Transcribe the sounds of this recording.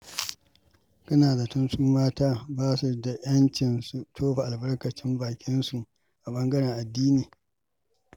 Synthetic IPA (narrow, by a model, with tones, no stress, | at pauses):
kɐ˦naː˨da˨tʊ˦nsuː˦maː˦taː˦baː˦su˨da˨j̰ɐ˦nt͡ʃɪ˨nsu˨tʰoː˦ɸa˨ʔa˨lbɐ˦rkɐ˨t͡ʃɪ˦mbaː˨kʲʰɪ˦nsu˨ʔ | ʔa˨bɐ˦ŋɡɐ˦ɽɛ˨ŋʔa˨dːiː˦niː˨